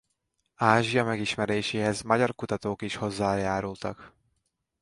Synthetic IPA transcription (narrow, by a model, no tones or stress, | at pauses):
aːʒijɒmɛɡiʃmɛɾeːʃeːɦɛzmɒɟɒrkut̪ɒt̪oːkiʃho̞zːaːjaːɾult̪ɒ̰k